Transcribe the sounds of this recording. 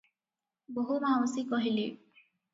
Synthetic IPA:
boɦuɾawɔsikɔɦili

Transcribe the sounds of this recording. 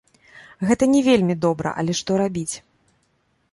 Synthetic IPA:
ɣɛt̪ɐnʲɛvʲelʲmʲid̪ɔbɾɐ̰ʔɐ̰lʲɛʂt̪ɔɾabʲit͡sʲ

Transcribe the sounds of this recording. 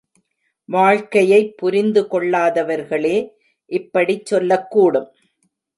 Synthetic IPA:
ʋaːɻkɐjɐɪpːʊɾɪnd̪ɯkɔɭːaːðɐʋɐɾɣɐɭeː | ʔɪpːɐɽit͡ʃːɔlːɐkːuːɽɯm

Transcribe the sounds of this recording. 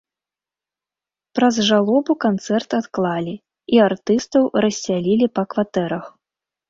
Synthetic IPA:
pɾɐzʐalˠɔbukant̪sɛrt̪at̪klˠalʲi | iart̪ɨst̪ɐwrɐsʲːalʲilʲipɐkvat̪ɛɾɐx

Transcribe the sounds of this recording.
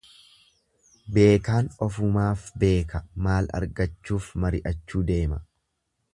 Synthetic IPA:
be̞ːkaːnɔfʊmaːfbe̞ːkɐmaːlɐ̰ɾɡɐt͡ʃːuːfmɐɾɪʔɐt͡ʃːuːd̪e̞ːmɐ

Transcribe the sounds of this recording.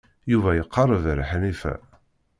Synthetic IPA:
juvæjəqʰːɑrˤːəvɾħnifæ̰

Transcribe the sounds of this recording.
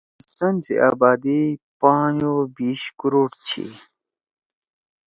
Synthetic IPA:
ist̪ansḛʔa̰ːbaːd̪ipãːnobiːɕkuɾoːʈt͡ɕʰḭ

